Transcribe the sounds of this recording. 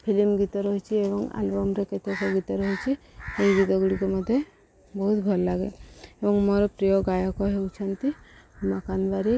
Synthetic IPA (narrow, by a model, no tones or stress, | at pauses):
pʰilimɡit̪ɔɾɔɦit͡ʃʰiebɔŋa̰lbɔmɾeket̪ekɔɡit̪ɔɾɔɦit͡ʃʰi | ejɡit̪ɔɡuɽikɔmɔd̪ʱːje | bɔɦut̪bʱɔlːaɡḛebɔŋmɔɾɔpɾijɔɡajɔkɔɦewt͡ʃʰɔnt̪imakanbaɾi